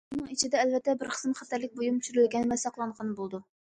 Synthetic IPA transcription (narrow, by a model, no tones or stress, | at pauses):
unɨŋit͡ʃʰid̪ɛːlvɛt̪ʰːɛbɪɾqʰə̥smχɛt̪ʰæɾlɪk̚ʲbojumt͡ʃʰyɾɪlɡʲɛnmɛsɑqlˠɑɴʁɑnbolˠd̪u